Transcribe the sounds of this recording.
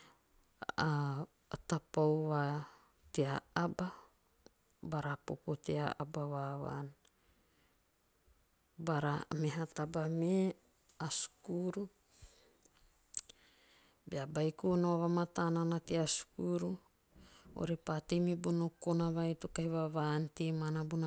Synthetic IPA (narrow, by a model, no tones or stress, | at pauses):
a | tapowβa | teaaba | baɾapopoteaa̰baβaβa̰n | baɾameɦatabame | asu̥kuɾu | beabajkunoaβamatananatiasu̥kuɾu | o̰ɾipatimibonokonaβajtokajβaβantimanabuna